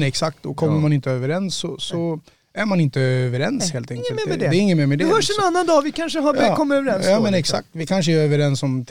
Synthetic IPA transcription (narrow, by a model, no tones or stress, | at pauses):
ɛksak̚t̪ɔkʰɔmːəɾmanɪnt̪əøːvəɾɛnsːɔsɔ | æɾmanɪnt̪əøːvəɾɛnsheːlt̪ʰɛŋkəlɛːɾɪŋːənmɛːɾmɛd̪ɛhœːʂɛnanːand̪ɑːvɪkʰanʂəɦakɔmːəøːvəɾɛnsɑmɛnɛksa̰k̚t̪vɪkʰanʂ̬əɛɾøːvəɾɛnsɔmt̪ʰ